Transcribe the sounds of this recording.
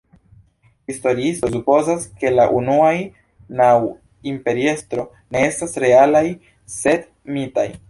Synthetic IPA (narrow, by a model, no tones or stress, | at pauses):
histo̞ɾiistosupo̞zaske̞laʔunuaj | naw | impe̞ɾie̞stɾo̞ | ne̞e̞stasɾe̞alaj | se̞d | mitaj